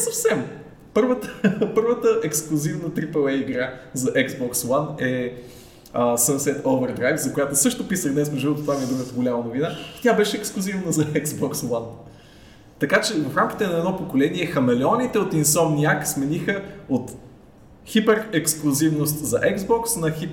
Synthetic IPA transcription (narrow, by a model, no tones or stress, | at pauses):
nɛsɐfsɛm | pɤɾvət̪əpɤɾvət̪əʔɛksklˠʊzivnət̪ɾipəlˠɛjiɡɾazɐʔɛɡzbɔkswanɛ | əsəmsɛt̪ovɛɾd̪ɾajfzɐkojat̪osɤʃt̪opisəɣd̪nɛsmoʒɛot̪ot̪vamiɛd̪ɾuɡət̪əɡʊlʲamɐnovinat̪ʲabɛʃɛɛksklˠʊzivnəzɐɛɡzbɔkswan | t̪ɐkat͡ʃɛvɐfɾamkʲi̥t̪ɛnɐɛd̪nɔpokolɛniɛxɐmɛlɛɔnit̪ɛot̪insɔmnʲiaksmɛnixəot̪ | xipɛɾɛksklˠʊzivnost̪zɐʔɛɡzbɔksnɐxip